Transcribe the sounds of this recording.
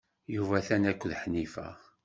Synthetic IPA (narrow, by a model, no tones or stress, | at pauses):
juvæθænækʷːəðħnifæ̰